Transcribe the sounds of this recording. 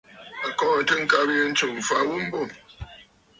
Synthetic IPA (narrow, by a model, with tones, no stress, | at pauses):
a˨kɔː˦˨tə˦ŋ̩˦ka˦bə˦n̩˦t͡ʃo˨m̩˨fa˦wu˦m̩˦bo˦˨